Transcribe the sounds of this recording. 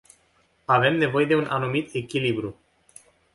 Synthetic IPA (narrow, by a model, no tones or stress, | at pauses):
ave̞mne̞vo̞je̞d̪e̞unʔanumit̪e̞kʲilibɾu